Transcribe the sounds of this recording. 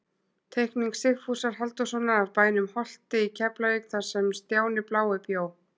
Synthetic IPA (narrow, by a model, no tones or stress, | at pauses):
t̪ʰejhkniŋksɪxfusaɾ̥ɦalt̪ʏsɔnaavpaːjnʏmhɔl̥t̪ɪicʰɛplavekθaɾ̥sɛmst̪jaːwnɪplaːwɪpjaːw